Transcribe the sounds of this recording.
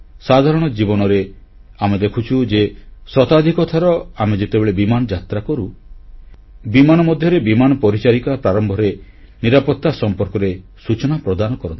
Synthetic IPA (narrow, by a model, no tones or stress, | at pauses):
sad̪ʱaɾɔɽ̃ɔd͡ʒibɔnɔɾe | amed̪ekʰut͡ʃʰud͡ʒesɔt̪ad̪ʱikɔt̪ʰaɾɔamed͡ʒet̪ebeɭebimanɔd͡ʒat̪ɾakɔɾu | bimanɔmɔd̪ʱjɔɾebimanɔpɔɾit͡ʃaɾikɔpɾaɾɔmbʱɔɾe | niɾapɔt̪ːasɔmpɔɾkɔɾe | sut͡ʃɔnapɾɔd̪anɔkɔɾɔnt̪ʰi